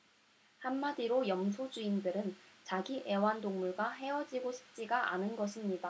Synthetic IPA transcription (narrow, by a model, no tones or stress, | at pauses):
hamːadiɾojʌms̬ʰud͡ʑuindɯɾɯnt͡ɕaɡiʔe̞wandoŋmuɭɡwaɦe̞ʌd͡ʑiɡoɕʰi̥p̚t͡ɕ͈iɡaʔa̰nɯnɡʌɕʰimɲida